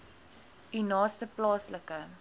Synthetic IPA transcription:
inɑːstəplɑːsləkə

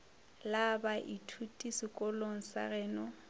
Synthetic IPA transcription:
labaʔitʰutʼisɪkʼɔloŋ̩sa̰rɛːnɔ

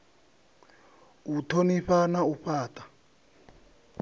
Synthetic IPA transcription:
utʰoniɸanauɸaːtʼḁ

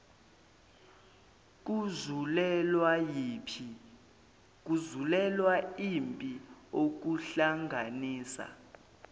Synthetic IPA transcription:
k̬zulɛlaji | k̬uzulɛlwaimpʼiok̬uɬaŋʱaniːsa̰

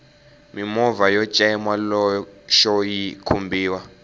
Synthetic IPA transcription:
mimɔvajɔ̥t͡ʃʼɛɛmwalɔʃɔjikʰumbʱiːwa

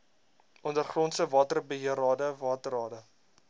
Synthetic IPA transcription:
ʔɔndərχrɔntsəvɑːtərbəɦiəɾɑːdəvɑːtəɾɑːdə

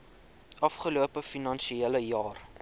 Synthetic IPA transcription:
ʔɐfχəluəpəfinɐnʃieləjɑːr

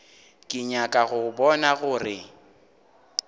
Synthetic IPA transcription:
kʼɪɲakʼaɣʊbɔnaɣʊrɪ

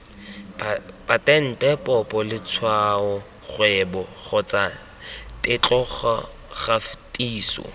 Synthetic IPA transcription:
patʼɛn̩tʼɛpʼɔpʼɔlɪt͡sʰwaɔ | χwɛbɔχɔt͡sʼa | tʼɪt͡ɬʼɔχ | χaftʼiːsɔ̰

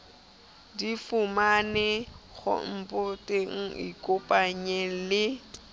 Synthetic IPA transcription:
difʊmanɛɣʊ̰m̩pʊtʼeŋ̩ḭkʼopʼaɲɛlɪ

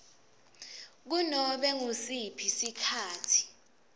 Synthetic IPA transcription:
k̬unɔɓɛŋusipʰisikʰaːtʰi̥

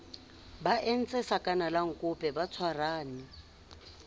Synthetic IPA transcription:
baʔen̩t͡sʼɛsakʼanalaŋ̩kʼʊpʼɛbat͡sʰwaraːnɪ

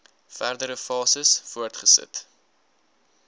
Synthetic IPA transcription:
færdəɾəfɑːsəsfuərtχəsə̰t

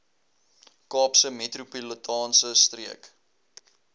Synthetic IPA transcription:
kɑːpsəmetrupulətʰɑːnsəstriək

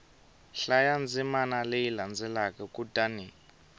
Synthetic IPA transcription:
ɬajand͡zimanalejiland͡zʱɛlakʼɛkʼud̥ani

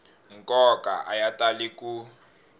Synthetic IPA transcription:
ŋkʼɔkʼa̰ʔajatʼaliku

